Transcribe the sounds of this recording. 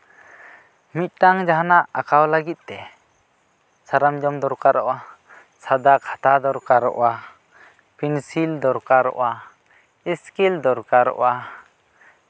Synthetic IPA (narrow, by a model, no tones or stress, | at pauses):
mit̪̚t̪aŋd͡ʒaɦanaʔakawlaɡit̪̚t̪ɛ | saɾamd͡ʒɔmd̪ɔɾkaɾɔʔa | sad̪akʰḁt̪ad̪ɔɾkaɾɔ̰ʔwa | pʰinsild̪ɔɾkaɾɔ̰ʔa | iskild̪ɔɾkaɾɔ̰ʔa